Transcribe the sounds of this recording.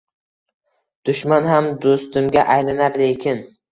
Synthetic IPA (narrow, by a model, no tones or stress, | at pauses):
d̪̥ʊʃmanɦamd̪ost̪ɪmɡʲaʔajlanaɾlekʲʰɪn